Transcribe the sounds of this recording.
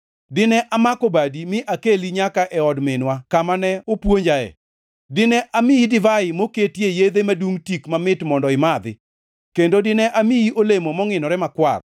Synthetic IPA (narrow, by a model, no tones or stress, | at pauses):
dɪnɛʔamakobadimɪʔakeliɲakaʔɛɔdmɪnwakamanɛopwoɲd͡ʒaɛ̰ | dɪnɛʔamɪidɪvaɪmoketjejed̪emaduŋtikmamɪtmɔndɔɪmad̪ɪ̰ | kendodɪnɛʔamiiʔolemomɔŋɪnɔɾɛmakwa̰r